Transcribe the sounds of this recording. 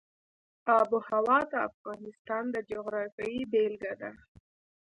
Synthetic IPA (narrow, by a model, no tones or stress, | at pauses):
ɑbuhawɑt̪əa̰fɣɑnɪst̪ɑnd̪əd͡ʒoɣɾɑfjɑibelɡad̪a